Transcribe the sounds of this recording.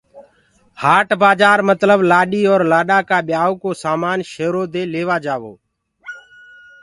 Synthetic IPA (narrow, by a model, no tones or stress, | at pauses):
haːʈbaːd͡ʒaːɾmət̪ləblaːɗiːoːɾlaːɗaːkaːɓɪjaːoːkoːsaːmaːnʃeːɾoːd̪eːleːʋaːd͡ʒaːʋo̰ː